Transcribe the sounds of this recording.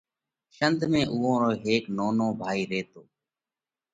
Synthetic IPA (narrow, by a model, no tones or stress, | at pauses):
ʃənd̪ʱmẽːʔʊːõːɾoːɦeːknoːnõːbʱaːiːɾeːt̪oː